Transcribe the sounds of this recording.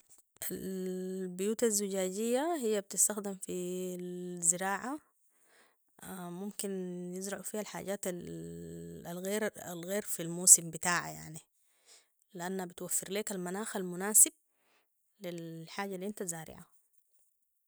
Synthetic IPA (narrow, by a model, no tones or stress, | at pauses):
ʔalbʊjuːt̪azːuɟaːɟijːahijːab̚t̪ɪst̪axd̪ɪmfi | zɪɾɑːʕa | mumkinjɪzɾˤɑʕufiːhalħa̰ːɟaːt̪a | alɣeːɾa̰lɣeːɾfilmuːsimbit̪aːʕa̰ja̰ʕni | liʔanːhabit̪wafːɪɾleːkalmanaːxalmʊnaːsɪb̚ | lilħaːɟːalːiʔɪnt̪azaːɾɪ̰ʕa